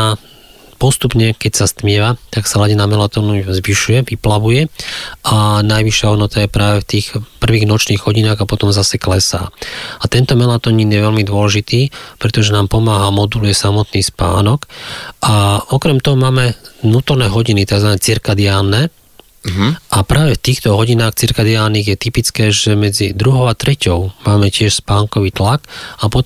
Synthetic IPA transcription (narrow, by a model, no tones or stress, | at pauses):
a | pɔst̪upɲɛkɛcsast̪mɪɛʋat̪aksalaɟinamɛlat̪ɔnuzʋiʃujɛʋiplaʋujɛʔanajʋiʃːɪaɦɔd̪nɔt̪ajɛpɾaːʋɛft̪iːxpr̩ʋiːɣnɔt͡ʃniːɣɦɔɟinaːɣapɔt̪ɔmzasɛklɛsa̰ːat̪ɛnt̪ɔmɛlat̪ɔɲiːnjɛʋɛlmid̪ʊɔlɛʒit̪iːpɾɛt̪ɔʒɛnaːmpɔmaːɦamɔd̪ulujɛsamɔt̪niːspa̰ːnɔkʔaɔkɾɛmt̪ɔɦɔmaːmɛnuːt̪ɔɾnɛːɦɔɟinit̪aɡzʋanɛːt͡siɾkad̪ɪaːnːɛ | ʔapɾaːʋɛft̪iːxt̪ɔɦɔɟinaːxt͡siɾkad̪ɪaːnːiːɣjɛt̪ipit͡skɛːʒɛmɛd͡zid̪ɾuɦɔʊat̪ɾɛcɔʊmaːmɛcɪɛʃspaːŋkɔʋiːt̪lakapɔ